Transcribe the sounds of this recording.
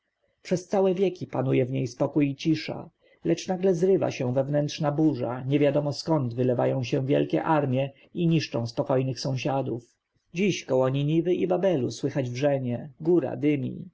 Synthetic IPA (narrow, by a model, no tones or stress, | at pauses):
pʂɛst̪sawɛvʲjɛkʲipanujɛvɲejspɔkujit͡ɕiʂa̰ | lɛt͡ʂnaɡlɛzɾɘva̰ɕɛ̃vɛvnɛntʂnabuʐa̰ɲɛvʲjad̪ɔmɔskɔnd̪vɘlɛva̰jɔ̃w̃ɕɛ̃vʲjɛ̰lkʲɛ̰ʔaɾmʲjɛ | iɲiʂt͡ʂɔ̃w̃spɔkɔjnɘxsɔ̃w̃ɕad̪uf | d͡ʑiɕkɔwɔɲiɲivɘʔibabɛluswɘxad͡ʑvʐɛɲɛɡuɾa̰d̪ɘmʲḭ